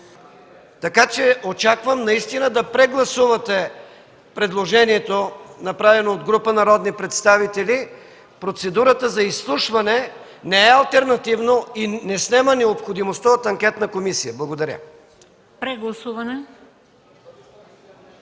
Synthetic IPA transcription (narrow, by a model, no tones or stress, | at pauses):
t̪ɐkat͡ʃɛot͡ʃakvəmnɐist̪inəd̪ɐpɾɛɡlˠɐsuvɐt̪ɛ | pɾɛd̪lˠoʒɛniɛt̪onɐpɾavɛnood̪ɡɾupənɐɾɔd̪nipɾɛt̪st̪avit̪ɛli | pɾot̪sɛd̪uɾət̪əzɐisːlˠuʃvɐnɛ | nɛɛɐlˠt̪ɛɾnɐt̪ivnoinɛsnɛmənɛopxod̪imost̪aot̪ɐŋkʲɛt̪nɐkomisijəblˠɐɡod̪ɐɾʲə̰ | pɾɛɡlˠɐsuvɐnɛ